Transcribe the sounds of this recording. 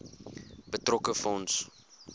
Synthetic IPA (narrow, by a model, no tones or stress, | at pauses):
bətrɔkəfɔns